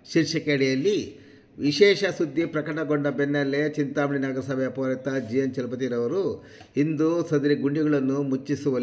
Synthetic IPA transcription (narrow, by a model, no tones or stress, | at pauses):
ʃiɾʃɐkeɽɛjɐlːi | ʋiʃɛːʃɐsud̪ʱːipɾɐkɐʈɐɡoɳɖɐbenːɐlːet͡ʃint̪aːmɳinaːɡɐɾɐsɐːbɐjɐpoːɾɐt̪ɐd͡ʒijɐnt͡ʃɐlɐp̬ɐt̪iɾɐʋɐɾu | ind̪usɐd̪ɐɾiɡuɳɖiɡɐɭɐnːumut͡ʃːisuʋɐl